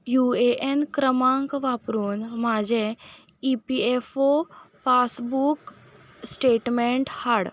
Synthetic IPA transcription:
jueʔenkɾəmãŋkʋaːpɾuːnmaːd͡ʒe | ipiefopaːsbuk | sʈeːʈmẽɳʈhaɽ

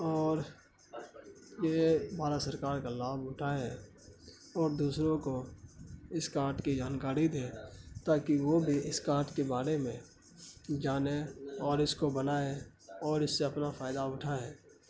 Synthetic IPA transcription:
ɔːɾ | jebʱaːɾasəɾkaːɾkalaːbʊʈʰaːeɦɛː | ɔːɾd̪uːsɾõko | ɪskaːɾʈkid͡ʒaːnkaːɾid̪ẽːt̪aːkiʋobʱiɪskaːɾʈkebaːɾemẽ | d͡ʒaːneɔːɾɪskobənaːe | ɔːɾɪsːeɐpnafaːɪd̪aʊʈʰaɦɛː

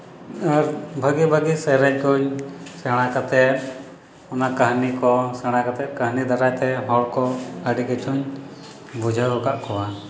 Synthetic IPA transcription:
aɾbʱəɡibʱəɡisɛɾɛɲkuɲsɛɽ̃akat̪ɛt̪̚ | ɔnakəɦnikɔsɛɽ̃akat̪ɛt̪̚kəɦnid̪aɾajt̪ɛɦɔɽkɔəɖikit͡ʃʰuɲ | bud͡ʒʱaɔkaʔkɔwa

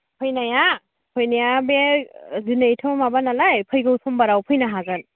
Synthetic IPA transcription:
pʰɯjnaja | pʰɔjnijabezinajtʰomabanalajpʰɔjɡɯsʰɔmbaɾawpʰɯjnaɦaɡɯn

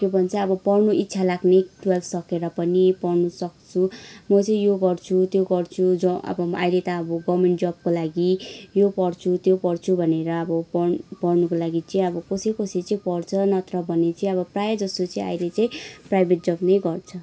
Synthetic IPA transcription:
kjobʱʌnt͡sʌʌbʌpʌrnuʔit̪ːsʰalaɡneʈwalsʌkeɾʌpʌnipʌrnusʌkt͡sʰumʌt͡sʌ̃ĩjoɡʌrt͡sʰut̪joɡʌrt͡sʰud͡zʌʌ̰bʌa̰jlet̪aʌbʌɡʌmenʈd͡zʌb̚kolaɡijopʌrt͡sʰut̪jopʌrt͡sʰubʱʌneɾʌːbʌpʌrpʌrnukolaɡit͡sʌĩʌbʌkosijkosit͡sʌĩpʌrt͡sʰʌnʌt̪rʌbʱʌnet͡sʌĩʌbʌprajʌd͡zʌst̪ot͡sʌĩa̰jlet͡saĩprajbʱeʈ̚d͡zʌbnʌjɡʌrt͡sʰʌ

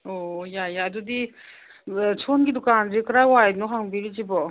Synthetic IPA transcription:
ojajaɐdudi | t͡ʃʰonɡidɔkanzikɾajwajnɔɦaŋbiɾid͡ʒibɔ

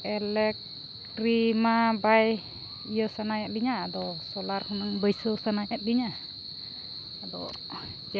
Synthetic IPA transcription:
ɛlɛk̪̚ | ɾimabaj | ijəsanajaʔ̚diɲaːd̪ɔsɔlarhunəŋbəjsəsanajaʔ̚diɲa | dɔ̰

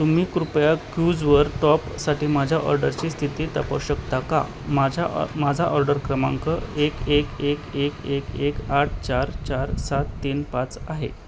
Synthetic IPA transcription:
t̪um̤iːkɾupjakjud͡zʋəɾt̪ɔpsaʈiːmad͡ʑʱjaʔɔ̰ɾɖəɾt͡ɕiːst̪ʰit̪iːt̪əpəwɕəkt̪aka̰ | mad͡ʑʱamad͡zʱaʔɔɾɖəɾkɾəma̰ŋkəekekekekekekaʈ̚ʰt͡ɕaɾt͡ɕaɾsat̪ːiːnpat͡saɦḛ

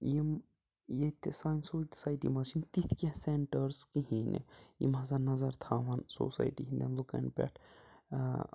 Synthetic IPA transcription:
jim | jet̪ʰesaːjnsoːʈsaːjʈḭmɐt͡ʃʰint̪it̪ʰkeseɳʈəɾskiɦinḛjḭmɐsɐnɐzɐɾt̪ʰaːʋɐnso̰ːsa̰ːjʈikʰʲind̪ɐnlukɐ̰npʲɛ̰ʈʰ

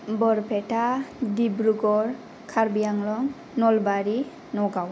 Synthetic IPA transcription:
bɔɾpʰɛʈadibɾuɡɔɾ | kʰaɾbijaŋlɔŋ | nɔlbaɾi | nɔɡaw

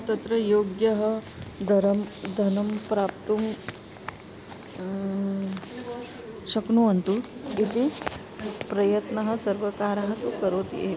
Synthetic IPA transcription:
t̪ɐt̪ɾɐjoːɡjɐɦəd̪ʱɐɾɐmd̪ʱɐnɐmpɾapt̪um | ɕɐknuɐnt̪uit̪i | pɾɐjɐt̪nɐɦɐ̆sɐɾʋəkaːɾɐɦɐt̪ukɐɾoːt̪jḛ

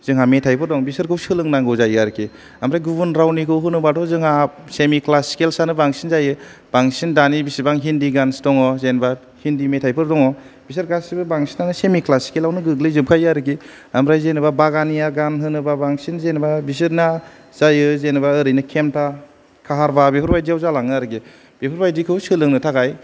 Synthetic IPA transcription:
z̥ɯŋɦametʰajpʰɯɾdɔŋbisɯɾkʰɯwsɯlɯŋnaŋɡɯwzajaɾɯkʰi | amɾajɡubunɾawnikʰɯwɦɯnɯbadɔzɯŋha | semiklasi̥kelsanɯbaŋsinzajɯb̥aŋsindanibisɯbaŋɦindiɡansi̥tɔŋɔzenba | hindimetʰajpʰɯɾdɔŋɔb̥is̬ɯɾɡassibɯbaŋsinanɯsemiklasi̥kelawnɯɡɯɡlɯjzɯp̚kʰajaɾɯɡi | amɾajzenɯbabaɡanijaɡanɦɯnɯbabaŋsinzenbabis̬ɯɾna | zajɯzenɯbaɯɾɯjnɯkʰemtʰa | kʰaɦaɾbabepʰɯɾbajdiawzalaŋɯaɾɯɡi | b̥epʰɯɾbajdikʰɯwsɯlɯŋnɯtʰaɡaj

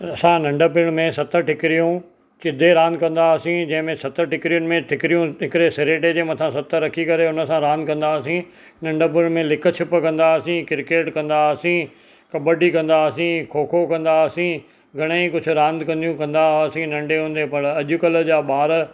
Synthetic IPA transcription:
ɐsãnɐ̃ɳɖəpɪɽ̃mẽsɐt̪əʈɪkɪɾijũ | t͡ɕɪd̪ʱeɾãːnd̪kɐ̃nd̪aːsĩd͡ʑɐ̃ɦɪ̃mẽsɐt̪əʈɪkɪɾijʊnɪ̆mẽʈʰɪkɪɾijũɦɪkɪɾesɪɾeːʈed͡ʑeːmɐt̪ʰãsɐt̪əɾɐkʰikɐɾeʊnə̆sãɾãːnd̪̚kɐ̃nd̪aːsĩ | nɐ̃ɳɖəp̬ɪɽ̃mẽlɪkʰt͡ɕʰɪpəkɐ̃nd̪asĩkɪɾkeːʈkɐ̃nd̪asĩ | kɐbəɖikɐ̃nd̪aːsĩkʰoːkʰokɐ̃nd̪asĩ | ɡʱɐɽ̃eikʊd͡ʑʱʊ̆ɾãːnd̪kɐ̃nd̪ijũkɐ̃nd̪asĩnɐ̃ɳɖeɦũːn̆d̪epɐɽ̃ɐʄʊkɐləd͡ʑaːɓaːɾ

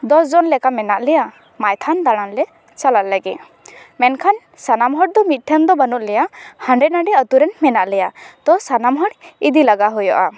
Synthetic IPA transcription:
d̪ɔsd͡ʒɔnlɛkamɛnaʔlɛja | majt̪ʰand̪aɽ̃anlɛ | t͡ʃalat̪̚ləɡit̪̚ | mɛnkʰan | sanamɦɔɽ̚d̪ɔmit̪̚ˀʈʰɛnd̪ɔbanut̪̚lɛjahaɳɖɛnaɖiət̪uɾɛnmɛnaʔlɛjat̪ɔsanamɦɔɽid̪ilaɡaɦujɔʔa

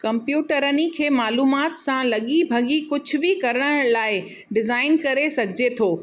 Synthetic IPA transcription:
kɐ̃mpjuːʈəɾənikʰeːmaːluːmaːt̪sãlɐɠibʱɐɠikʊd͡ʑʱʊ̆bikɐɾəɽ̃əɽ̃laːɪ | ɖɪzaːɪnkɐɾesɐɡʱɪd͡ʑet̪ʰoː

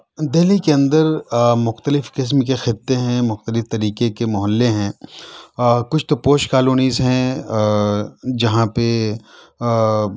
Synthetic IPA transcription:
d̪elikeɐ̃nd̪əɾmʊxt̪əlɪfkɪs̬mkexɪt̪ːeɦɛ̃mʊxt̪əlɪft̪ɐɾiːkekemʊɦəlːeɦɛ̃ː | kʊt͡ʃʰt̪opoːʃkaːloːniːzɦɛ̃ | d͡ʒɐɦãpe

